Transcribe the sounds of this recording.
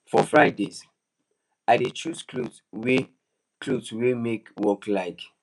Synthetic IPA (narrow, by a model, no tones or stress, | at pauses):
fɔfɹaɪdez | aɪdetʰɹusklo | we | kʰloswimekwɔklaɪk